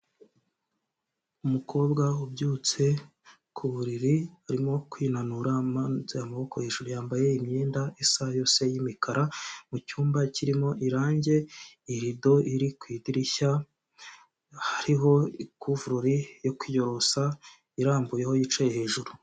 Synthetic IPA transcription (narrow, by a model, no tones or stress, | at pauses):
umukʰo̞ːbɡaubɟuːt͡se̞ | kʰuβuɾiɾiaɾimo̞kwiːnanuɾamazeamaβo̞ko̞he̞ːʒuɾujaːmbaje̞imɲeːndaesajo̞ːse̞jimikaɾamucuːmbaciɾimo̞ʔiɾaːɲɟe̞iɾido̞iɾikwiːdiɾiça | haɾiɦo̞ikuːvuɾuɾijo̞kwijo̞ɾo̞sa | iɾaːmbuje̞ho̞jit͡ʃajehe̞ːʒuɾu